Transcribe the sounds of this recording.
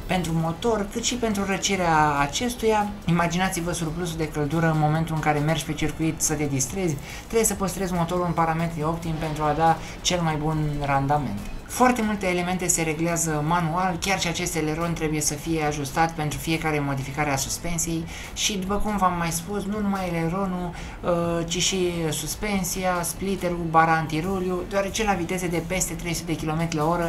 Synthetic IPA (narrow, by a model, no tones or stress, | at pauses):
pe̞nt̪ɾumo̞t̪o̞rkɨt̪ʃipe̞nt̪ɾuɾət͡ʃiɾeaːt͡ʃe̞st̪ujaimad͡ʒinat̪sivəsurpluzud̪e̞kəld̪uɾəɨnmo̞me̞nt̪ulɨŋkaɾe̞me̞rd͡ʒʲpe̞t͡ʃirkuit̪sət̪e̞d̪ist̪ɾe̞zʲ | t̪ɾebje̞səpost̪ɾe̞zʲmo̞t̪o̞ɾuɨnpaɾame̞t̪ɾio̞pt̪impe̞nt̪ɾuad̪a | t͡ʃe̞lmajbunrand̪ame̞̰nt̪foart̪e̞mult̪e̞ːle̞me̞nt̪e̞se̞ɾe̞ɡleazəmanualkʲarʃiat͡ʃe̞st̪ele̞ɾo̞nt̪ɾe̞buje̞səfije̞aʒust̪at̪pe̞nt̪ɾufije̞kaɾe̞mo̞d̪ifikaɾeasuspe̞nsije̞j | ʃid̪upəkumvamːajspusnunumajleɾo̞nu | ət͡ʃiʃisuspe̞nsiasplit̪e̞ɾubaɾaːnt̪iɾuljud̪oaɾe̞t͡ʃe̞lavit̪e̞zed̪e̞pe̞st̪e̞t̪ɾejsut̪eekʲilo̞met̪ɾʲilao̞ɾə